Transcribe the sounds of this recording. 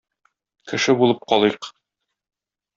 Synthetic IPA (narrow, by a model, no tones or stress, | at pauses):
kɘ̆ʃɘbulˠɤp̚qɒlˠɤq